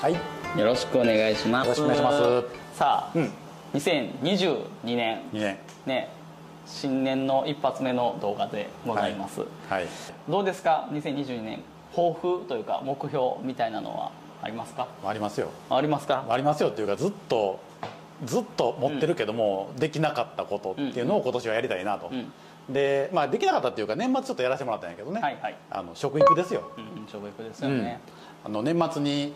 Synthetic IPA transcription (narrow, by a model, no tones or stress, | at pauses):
haijo̞ɾo̞ɕi̥kɯ̟one̞ɡaiɕimasasaː | ɲ̟isẽ̞ɲɲiʑɨːɲ̟inẽ̞ŋ̃ | ne̞ | ɕĩnnẽ̞nːo̞ʔipːat͡sɨme̞no̞d̪o̞ːɡad̪e̞̰ɡo̞zaimasɨ̰ | haid̪o̞ːd̪e̞sɨ̥kaɲ̟isẽ̞ɲ̟ɲiʑɨːɲ̟inẽ̞̰ŋ | ho̞ːɸɯ̟t̪o̞jɯ̟ːka̰mo̞kɯ̟ço̞ːmʲit̪ainano̰βa̰ | a̰ɾʲimasɨ̥kamaːɾʲimasɨjo̞̰aːɾʲimasɨ̥kamaːɾʲimasɨjo̞t̪ːe̞jɯ̟kazɨt̪ːo̞ | zɨt̪ːo̞mo̞t̪ːe̞ɾɯ̟ke̞d̪o̞mo̞d̪e̞kʲinakat̪ːako̞t̪o̞tt̪ːe̞iɯ̟no̞ːko̞t̪o̞ɕiβajaɾʲit̪ainat̪o̞ | d̪e̞mad̪e̞kʲinakat̪ːat̪ːjɯ̟kanẽ̞mːatt͡sɨ̥t͡ɕot̪ːojaɾaɕit̪emoɾat̪ːajãŋ̃ked̪one̞aihaia̰no̞ɕo̞kɯ̟ikɯ̟d̪e̞sɨjõ̞ɕokɯ̟ikɯ̟d̪e̞sɨjõne | a̰no̞nẽ̞mːat͡sɨɲ̟i